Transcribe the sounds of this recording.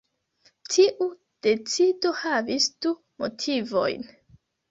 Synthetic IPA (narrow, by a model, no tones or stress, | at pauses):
tʰiʔu | d̥e̞t͡sido̞havisd̥u | mo̞̰tʰivo̞̰jn